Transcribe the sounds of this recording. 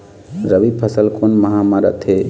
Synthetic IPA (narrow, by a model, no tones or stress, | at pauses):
ɾəʋipʰəsəlkʰonməɦãmaɾə̰t̪ʰɦe